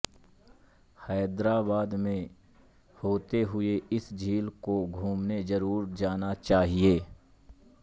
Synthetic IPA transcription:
hɛːd̪ɾaːbaːd̪mẽ | hoːt̪eɦʊeɪsd͡ʒʱiːlkoɡʱuːmnezɐɾuːɾd͡ʒaːnat͡ʃaːɦieː

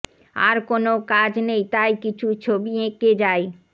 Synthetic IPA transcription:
a̰ɾkonokad͡ʑnejt̪ajkit͡ɕʰut͡ɕʰobiẽked͡ʑae

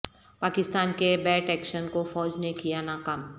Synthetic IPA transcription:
paːkɪst̪aːnkebɛːʈɛːkʃənkofɔːd͡ʒnekijanakɐm

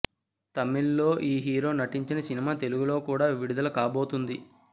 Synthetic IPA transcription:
t̪ɐmːilːo̞ːʔiːɦiːɾo̞ːnɐʈiɲt͡ʃinɐsinimaːt̪e̞luɡulo̞ːkuːɽaːʋiɽud̪ɐlɐkaːbo̞ːt̪und̪i

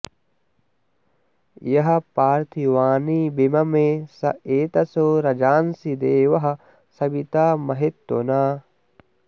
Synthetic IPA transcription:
jɐɦɐpaːɾt̪ʰiʋaːniːbimɐmeːsɐ̰eːt̪ɐsoːɾɐd͡ʒaːnsid̪eːʋɐɦɐ | sɐbit̪aːmɐɦet̪wo̰naː

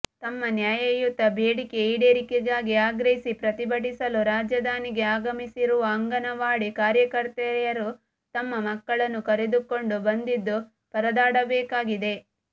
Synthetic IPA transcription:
t̪ɐmːɐnjaːjɐjut̪ːɐbʱeːɽike̞iːɽeːɾikeɡaːɡiaːɡɾɐɦisipɾɐt̪ibɐʈisɐluɾaːd͡ʒɐd̪aːniɡe̞aːɡɐmisiɾuʋɐːŋɡɐnɐʋaːɽikaːɾjɐkɐɾt̪ɐjɐɾu | t̪ɐmːɐmɐkːɐɭɐnːukɐɾed̪uko̞ɳɖubɐnd̪id̪ːu | pɐɾɐd̪aːɽɐbɛːkaːɡid̪e̞

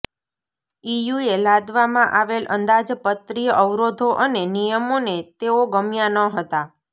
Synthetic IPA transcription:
ijuelad̪ʋamãʔaʋelʔə̰nd̪ad͡ʒpət̪ɾijəʔəʋɾod̪ʱoʔənenijəmonet̪eoɡəmjanəɦət̪a

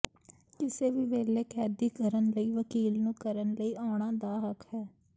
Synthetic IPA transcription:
kɪseːʋiːʋeːleːkɛːd̪iːkəɾənləiːʋəkiːlnũːkəɾənləiːʔaːɽ̃aːd̪aːɦəkhɛː

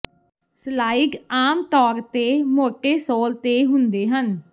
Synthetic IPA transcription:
slaːɪɡaːmt̪ɔːɾt̪eːmoːʈeːsoːlt̪eːɦʊnd̪eːɦən

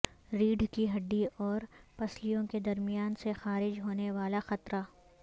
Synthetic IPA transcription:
ɾiːɖʱkiɦɐɖːiɔːɾpɐslijõked̪ɐɾmijaːnsexaːɾɪd͡ʒɦoːneʋaːlaxɐt̪ɾa

